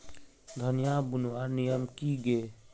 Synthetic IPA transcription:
d̪ʱənɪjaːbunuanijəmkiːɡeː

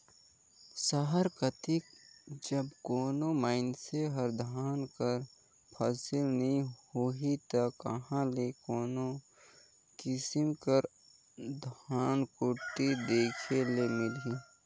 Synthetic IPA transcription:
səɦəɾkət̪ikd͡ʒəbkoːnomaːɪnseɦəɾd̪ʱaːnkəɾ | pʰaːsɪlnəĩhoɦit̪əkːəɦãlekoːno | kɪsɪmkəɾ | d̪ʱaːnkʊʈːid̪eːkʰelemɪli

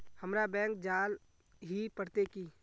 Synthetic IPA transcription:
həmɾabɛ̃ːŋk̚d͡ʒaːl | ɦipəɽt̪ekiː

